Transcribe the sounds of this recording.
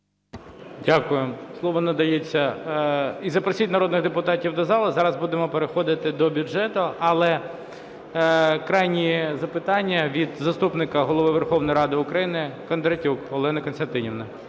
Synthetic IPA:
dʲakʊjemslˠɔʋɔnɐd̪ɐjet͡sʲːɐ | izɐpɾɐsʲitʲnɐɾɔd̪nɪɣd̪epʊt̪ɑtʲiwd̪ɔzɑlˠɐzɑɾɐzbud̪emɔpeɾexɔd̪ɪt̪ɪd̪ɔbʲʊʒɛt̪ʊɐlˠɛ | kɾɑjnʲizɐpɪt̪ɑnʲːɐʋʲid̪zɐst̪upnɪkɐɦɔlˠɔʋɪʋerxɔwnɔjɾɑd̪ɪʊkɾɐjinɪkɐnd̪ɾɐtʲukɔlˠɛnɐkɔnst̪ɐnt̪ɪnʲiwnɐ

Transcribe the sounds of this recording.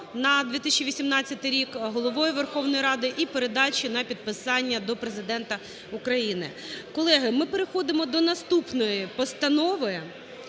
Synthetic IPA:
nɐd̪ʋʲit̪isʲt͡ʃʲiʋʲisʲimnɑt͡sʲːɐt̪ɪɾʲikɦɔlˠɔʋɔjʊʋerxɔʋnɔjiɾɑd̪ɪʔipeɾe̞d̪ɑt͡ʃʲinɐpʲid̪̚pɪsɑnʲːɐd̪ɔpɾezɪd̪ɛnt̪ɐ | ukɾɐjinɪ̰ | kɔlˠɛɦɪmɪpeɾexɔd̪ɪmɔd̪ɔnɐst̪upnɔjipɔst̪ɐnɔʋɔj

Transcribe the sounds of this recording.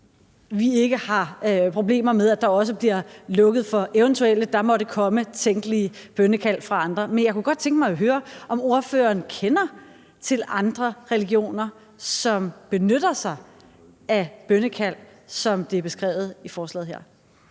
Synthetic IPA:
ʋie̝ɡ̥əhɑ̈pʰʁo̝b̥le̝̰ːmɐmeð̞ˠæd̥ɑ̈ɒ̽s̬əb̥liɐlɔ̽ɡ̥əð̩ˠfɒ̽ʔeʊənt͡sʰuel̰d̥ɑ̈mɒ̽ɾəkʰɒ̽mət͡sʰeŋɡ̥əliəb̥ønəkʰæl̰fʁɑ̈ɑ̈nd̥ʁɐmenjɑ̈ɪkʰuɡ̥ɒ̽d̥̚t͡sʰeŋɡ̥mɑ̈ɪɦøːɐʔɒ̽mo̝ɐfø̰ːɐːnkʰenɐ | t͡sʰe̝lɑ̈nd̥ʁɐʁɛliɡ̥io̝̰ːnɐ | sɒ̽mb̥e̝nøɾ̥ɐsɑ̈ɪ | æb̥ønəkʰæl̰sɒ̽md̥eæɐb̥e̝sɡ̥ʁɛ̰ːʊð̩ˠifɒːslɛ̰ːðˠɦeɐ̰

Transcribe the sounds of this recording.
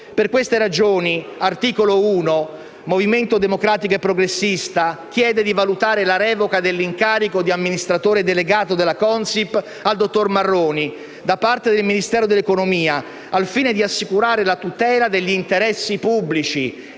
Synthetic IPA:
perkwest̪eɾad͡ʒoːniart̪iːkolouːno | moviment̪od̪emokɾaːt̪ikoepːɾoɡɾesːist̪ak̟jɛːd̪ed̪ivalut̪aːɾelaɾɛːvokad̪elːiŋkaːɾikod̪iamːinist̪ɾat̪oːɾed̪eleɡaːt̪od̪elːakɔnsip | ald̪ot̪ːormarːoːni | d̪apːart̪ed̪elminist̪ɛːɾod̪elːekonomiːaː | lfiːned̪iasːikuɾaːɾelat̪ut̪ɛːlad̪eʎːiːnt̪eɾɛsːipubːlit͡ʃi

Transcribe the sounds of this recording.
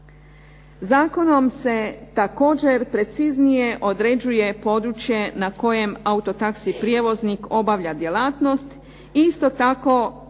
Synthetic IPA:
zaːko̞no̞mse̞t̪ako̞ːd͡ʑe̞ɾpɾe̞t̪siznije̞ʔo̞d̪ɾe̞d͡ʑuje̞po̞d̪ɾut͡ɕje̞nako̞je̞maut̪o̞t̪aksipɾije̞ʋo̞zniko̞baʋʎʲad̪je̞laːt̪no̞st̪ | iist̪o̞t̪ako̞

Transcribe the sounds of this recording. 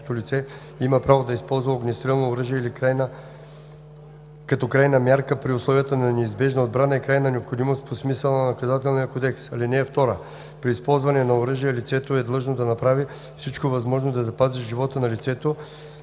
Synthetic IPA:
t̪olit̪sɛ | iməpɾavod̪ɐispɔlˠzvɐoɡnʲɛst̪ɾilˠnoːɾɤʒiɛilikɾajnə | kɐt̪ɔkɾajnɐmjaɾkəpɾiʊslˠɔvijət̪ənɐnɛizbɛʒnɐod̪̚bɾanəɛkɾajnɐnɛopxod̪imost̪posmisəlˠnɐnɐkɐzat̪ɛlˠnijɐkod̪ɛksɐlinɛːft̪ɔɾə | pɾiːspɔlˠzvɐnɛnɐoɾɤʒijɛlit̪sɛt̪oɛd̪lˠɤʒnod̪ɐnɐpɾavi | fsit͡ʃkovɐzmɔʒnod̪ɐzɐpazɛʃʒivɔt̪ənɐlit̪sɛt̪o

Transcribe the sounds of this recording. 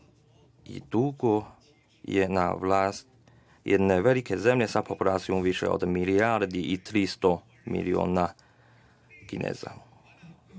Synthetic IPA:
ḭd̪̥uɡo | jḛna̰ʋlaːst̪ | jed̪neʋelikezemʎesapopulaːt̪sijomʋiʃḛo̰d̪miliaɾd̪iʔit̪ɾist̪o | mḭlio̰ːna | kinḛːz̥a̰

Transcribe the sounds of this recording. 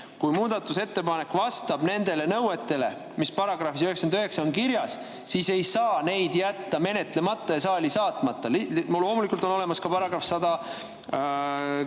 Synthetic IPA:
kujmuːd̪̥ɑt̪ːˑuse̞t̪ːe̞pɑne̞kːvɑst̪ɑb̥ne̞nd̪̥e̞le̞nɤwet̪ːe̞le̞̰ | mispɑɾɑɡ̥rɑfis̬øheksɑnɑøɦe̞ksɑonkiɾjɑs | sise̞jsɑːne̞jd̪̥jæt̪ːɑme̞ne̞t̪le̞mɑt̪ˑːɑjɑsɑːlʲisɑːt̪ˑmɑt̪ːɑlloːmulikult̪ono̞le̞mɑskɑpɑɾɑɡ̥rɑfsɑd̪̥ɑ

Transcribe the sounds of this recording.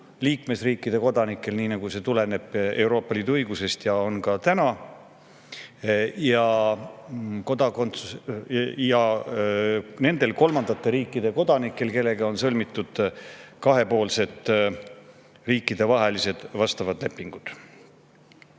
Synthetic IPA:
liːkme̞sriːkːˑid̪̥e̞ko̞d̪ɑnikːˑe̞lniːnɑɡuse̞t̪ule̞ne̞b̥e̞wɾo̞ːpːɑliːd̪uɤjɡ̥use̞st̪jɑo̞nkɑt̪ænɑ | jɑ | ko̞d̪̥ɑko̞nt̪sus | jɑ | ne̞nd̪e̞lko̞lmɑnd̪ɑt̪ːˑe̞ɾiːkːˑid̪̥e̞ko̞d̪̥ɑnikːˑe̞lke̞lːe̞ɡ̥ɑo̞nsɤlmit̪ːˑud̪̥kɑɦe̞po̞ːlse̞t̪ | riːkˑːid̪̥e̞vɑɦelise̞d̪̥vɑst̪ɑvɑd̪le̞pːiŋɡ̥ud̪̥

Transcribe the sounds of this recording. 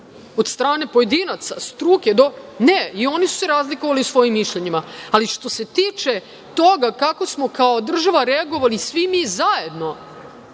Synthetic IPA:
o̞d̪st̪ɾaːne̞poje̞d̪inat̪sa̰st̪ɾuːke̞d̪o̞neio̞nisu̥se̞ɾaːzlikoʋaliusʋo̞jimːiʃʎeɲimaːliʃt̪o̞se̞t̪iːt͡ʃe̞ | t̪o̞ɡakako̞smo̞kaod̪r̩ʒaʋaɾeaɡo̞ʋalisʋimizaje̞d̪no̞

